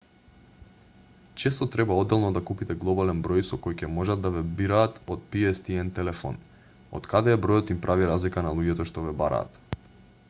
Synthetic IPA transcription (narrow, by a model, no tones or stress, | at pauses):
t͡ʃɛst̪ɔt̪ɾɛbaɔd̪ːɛlˠnɔd̪akupit̪ɛɡlˠɔbalɛnbɾɔjsɔkojcɛmɔʒad̪ːavɛbiɾaːt̪ot̪̚piɛst̪iɛnt̪ɛlɛfɔ̰n | o̰t̪kad̪ɛɛbɾɔjɔt̪impɾʔaviɾazlikanalˠuɟɛt̪ɔʃt̪ɔvɛbaɾa̰ːt̪